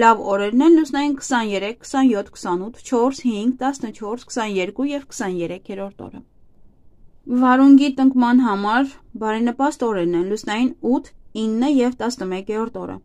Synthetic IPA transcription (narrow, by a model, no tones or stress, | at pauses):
lɑvɔɾɛɾnɛnlusnɑjinkə̥sɑnjɛɾɛkʰːə̥sɑnjɔt̪ʰkʰə̥sɑnut̪ʰt͡ʃʰɔɾshiŋɡt̪ɑsnət͡ʃʰɔɾskʰə̥sɑnjɛɾkujɛvkʰə̥sɑnjɛɾɛkʰjɛɾɔɾt̪ɔ̰ɾə̰ | vɑɾuŋɡit̪əŋkmɑnɦɑmɑɾbɑɾinəpɑst̪ɔɾɛɾnɛnlusnɑjinut̪ʰinːəjɛvt̪ɑsnəmɛkjɛɾɔɾt̪ɔ̰ɾə̰